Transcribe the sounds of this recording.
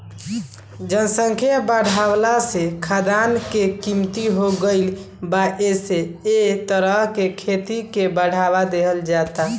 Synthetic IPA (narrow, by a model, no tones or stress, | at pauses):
d͡ʒənsəŋkʰijabəɽ̤awlasekʰad̪ankekimt̪iɦoɡəɪl | baʔeseet̪əɾəɦkekʰet̪ikebəɽ̤abad̪eɦəld͡ʒat̪a